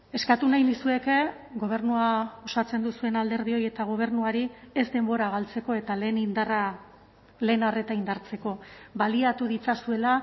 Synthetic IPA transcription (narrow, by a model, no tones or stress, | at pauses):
e̞skat̪unajnisue̞ke̞ | ɡo̞β̞e̞ɾnuao̞sat͡se̞nd̪usue̞nald̪e̞ɾð̞io̞jie̞t̪aɣ̞o̞β̞e̞rnuaɾie̞zd̪e̞mbo̞ɾaɣ̞alt͡se̞ko̞e̞t̪ale̞ːnind̪ara | le̞ːnare̞t̪aind̪aɾt͡se̞ko̞βaliat̪uð̞it͡sasue̞la